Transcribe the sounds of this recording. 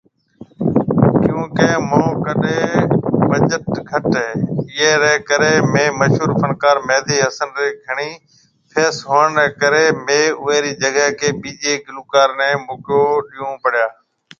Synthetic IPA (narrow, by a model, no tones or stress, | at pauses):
kjũːkeːmõːkəɗeːbəd͡ʒəʈɡʱəʈɛɪeːɾeːkəɾeːmẽːməʃɦuːɾpʰənkaːɾmɛːd̪ʱiːɦəsənɾeːɡʱəɽ̃iː | pʰeːsɦoːəɳɾɛːkəɾeːmeːʊːeːɾiːd͡ʒəɡəɦkeːɓiːd͡ʒeːɡɪluːkaːɾnɛ̃ːmʊːkjoːɗiːjõːpəɽjaː